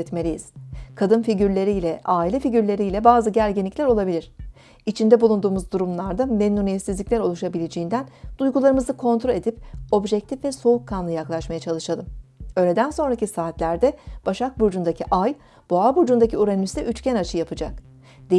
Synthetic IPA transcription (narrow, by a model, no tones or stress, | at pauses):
ɛt̪me̞lʲijiz̥kʰad̪ɯnfiɟyɾlʲe̞ɾiːlʲɛʔaːilʲɛfiɟyɾlʲe̞ɾijlʲɛbaːzɯɟæɾɟinlʲicʲlʲæɾo̞lˠabilʲiɾ̝̥ | it͡ʃʰind̪ɛbulˠund̪uːmuzd̪uɾumlˠaɾd̪amenːunijɛt̪sizlʲiclʲæɾo̞lˠuʃabilʲed͡ʒejind̪ænd̪̥ujɡulˠaɾɯmɯzɯkʰo̞nt̪ɾolʲe̞d̪ip̚o̞bʒɛc̚t̪ʰifvɛso̞ukʰːanlˠɯjaklˠaʃmajat͡ʃʰalˠɯʃalˠɯmø̞ːlʲed̪ænso̞nɾacisaːt̪lʲæɾd̪ɛb̥aʃak̚buɾd͡ʒund̪acʰiʔaj | b̥oabuɾd͡ʒund̪acʰiuɾanyst̪ɛʔyt͡ʃcænat͡ʃʰɯjapʰɯd͡ʒak̚ | d̪̥e